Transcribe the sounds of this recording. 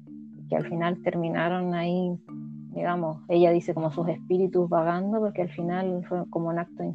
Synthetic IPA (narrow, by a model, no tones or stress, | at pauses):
kea̰lfinalt̪e̞ɾmĩnaɾo̞nai | miðamose̞ʝaðisekomosusehpiɾit̪uzβaɣand̪opokealfinalfweko̞mounak̚t̪oin